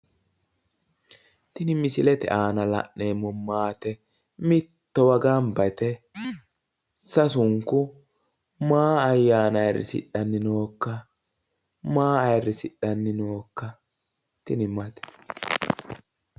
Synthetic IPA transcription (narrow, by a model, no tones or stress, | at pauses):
t̪ɪnɪmɪsɪlɛt̪ɛ̰ʔaːnɐlɐ̰ʔneːmɔmaːt̪ɛ | mɪt̪ːɔwɐɡambɐt̪ɛ | sɐsʊŋkːʊ | maːɐjːaːnɐjrɪ̰sɪ̰ɗɐnːɪnoːkːɐ | maːɐjɾːɪsɪɗːɐnːɪnoːkːɐ | t̪ɪnɪmɐt̪ɛ̥